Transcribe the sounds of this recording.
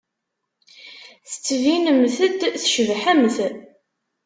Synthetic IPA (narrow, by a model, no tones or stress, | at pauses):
θə̥t͡sːvinəmθəd̪θʃəvħæmθ